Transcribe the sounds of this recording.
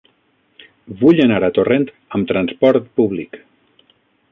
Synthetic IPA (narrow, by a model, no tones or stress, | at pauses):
βuʎənaɾat̪orent̪ | əmt̪ɾanspɔɾt̪̚puβlik